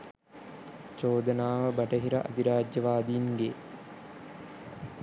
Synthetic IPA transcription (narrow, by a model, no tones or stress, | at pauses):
t͡ʃoːd̪ənaːʋəbɐʈəɦiɾɐʔɐ̰d̪iɾaːd͡ʒjɐʋaːd̪inɡe